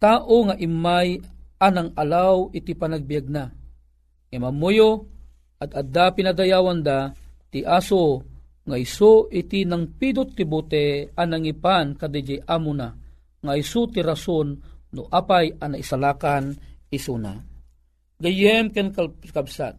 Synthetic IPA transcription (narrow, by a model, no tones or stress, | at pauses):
t̪aːʔoŋaʔimːajanaŋalawit̪ipanaɡ̚bijaɡ̚na | ŋemamojo | ʔad̪ad̪apinad̪ajaːwand̪at̪iʔaso | ŋaisoit̪inaŋpid̪ʊt̪ːibut̪ɛanaŋipankad̪ɛd͡ʒejʔamʊna | ŋaisut̪iɾasonːoʔapajanaisalaːkanisuna̰ | ɡajɛmkɛnkakabsa̰t̪